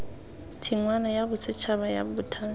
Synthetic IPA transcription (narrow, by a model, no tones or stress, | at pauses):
tʰiŋwanajabʊt͡sʰɪt͡ʃʰaβaja̰bʊtʰa